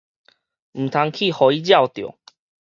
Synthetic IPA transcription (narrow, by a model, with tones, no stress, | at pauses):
m̩˨˩t̪ʰa˧ŋkʰi˥˨hɔ˨˧i˦d͡ʑja˥˨wt̪jo̰˨˩